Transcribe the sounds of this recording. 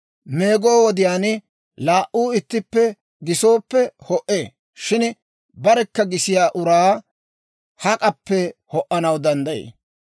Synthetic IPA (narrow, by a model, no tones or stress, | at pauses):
me̞ːɡo̞ːwɔd̪ɪjaːn | laːʔuːɪt̪ːɪpːɛ | ɡɪsoːpːɛhɔʔeː | ʃɪn | bɐɾɛkːɐɡɪsɪjaːʔʊɾaː | hɐkʼɐpːɛhɔʔːɐnɐwd̪ɐnd̪ɐjḛː